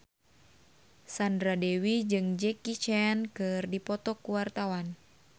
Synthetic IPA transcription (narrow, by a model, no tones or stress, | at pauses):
sandɾadɛwid͡ʒɨŋd͡ʒɛkit͡ʃɛnkɨrdipɔt̪ɔkuwart̪awan